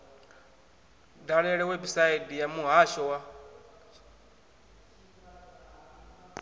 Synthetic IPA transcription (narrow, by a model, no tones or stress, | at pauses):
daɺɛɺɛwɛbisaidijamuɦaʃɔwa